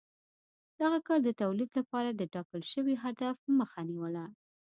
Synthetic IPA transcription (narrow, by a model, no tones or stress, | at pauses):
d̪̥aɣakɑɾd̪ət̪awlid̪lapɑɾad̪əʈɑkəlʃəwiɦad̪afməxaniwəla